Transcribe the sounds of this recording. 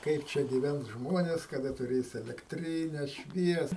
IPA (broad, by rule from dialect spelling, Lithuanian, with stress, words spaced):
ˈkɐɪp t͡ʃʲɛ ɡʲiːˈʋʲɛns ˈʒmoːnʲɛs kɐˈdɐ tʊˈrʲeːs ɛlʲɛkˈtʲrʲiːnʲɛ ˈʃʲʋʲiɛs